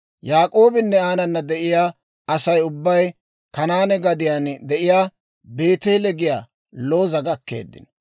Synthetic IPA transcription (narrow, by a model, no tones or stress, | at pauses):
jaːkʼo̞ːbɪnːɛaːnɐnːɐd̪ɛʔɪjaː | ɐsɐjʊbːɐj | kɐnaːnɛɡɐd̪ɪjaːnd̪ɛʔɪjaː | be̞ːt̪ɛlɛɡɪjaː | loːzɐɡɐkːḛːd̪ːɪ̰n